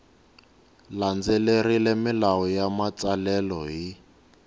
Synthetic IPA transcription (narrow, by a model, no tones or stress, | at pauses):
land͡zelerilemɪlaɔjamat͡salɛlɔɦi